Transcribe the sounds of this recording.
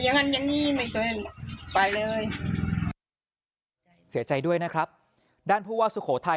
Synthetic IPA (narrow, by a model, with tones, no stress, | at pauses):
ja˧ŋa˧nja˧ŋniː˥˩ma˧˩ko˧˩˧npa˨˩jlɤː˧j | si˨˩˦ɐt͡ɕa˧jdu˥˩əjna˦˥kʰɾa˦˥p̚ | daː˥˩npʰuː˥˩waː˥˩su˨˦kʰoː˩˦t̪ʰa˧